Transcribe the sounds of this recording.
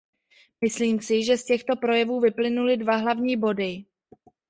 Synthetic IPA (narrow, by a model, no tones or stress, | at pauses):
mɪsliːmsɪʒɛscɛxt̪o̞pɾo̞jɛvuːvɪplɪnulɪdvaɦlavɲiːbo̞dɪ